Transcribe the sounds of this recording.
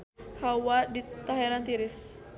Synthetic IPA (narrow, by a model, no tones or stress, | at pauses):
hawadit̪aɦɛɾant̪iɾɪs